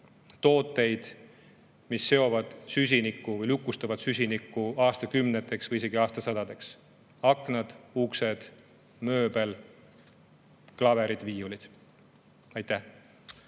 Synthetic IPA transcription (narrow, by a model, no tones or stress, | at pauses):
t̪o̞ːt̪ːˑe̞jd̪̥ | misːe̞o̞vɑd̪̥sys̬ʲinikːˑuvɤjlukˑːust̪ɑvɑd̪̥sysʲinikːˑuɑːst̪ɑkymnet̪ːˑe̞ksvɤjise̞ɡ̥iɑːst̪ɑsɑd̪ɑd̪̥e̞ks | ɑkːˑnɑd̪̥ukse̞d̪̥ | mø̞ːbe̞l | klɑve̞ɾid̪̥viːulid̪̥ | ɑjt̪ːˑæh